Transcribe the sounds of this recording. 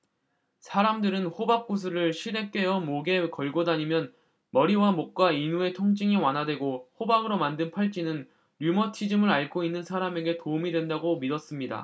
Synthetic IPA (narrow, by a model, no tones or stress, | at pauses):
sʰaɾamdɯɾɯnɸobak̚k͈us̬ʰuɾɯɭɕʰiɾe̞k͈e̞jʌmoɡe̞kʌɭɡodaɲimjʌn | mʌɾiwamok̚k͈wainue̞tʰoŋt͡ɕ͈iŋiwanɦadwe̞ɡoɸobaɡɯɾomandɯnpʰaɭt͡ɕ͈inɯn | ɾjumʌtʰid͡ʑɯmɯɾaɭkʰoinːɯnsʰaɾame̞ɡe̞toumidwe̞ndaɡomidʌs͈ɯmɲida̰